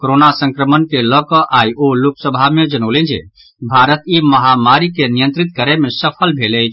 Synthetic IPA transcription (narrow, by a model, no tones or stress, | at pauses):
koɾonasə̃ŋkɾəmənkeləkɔʔaiʔoluksəbʱamed͡ʒənoʊlɛ̃nd͡ʒɛ̰ | bʱaɾət̪iməɦamaɾikenijə̃nt̪ɾit̪kəɾemesəpʰəlbʱelɛt͡ʃʰ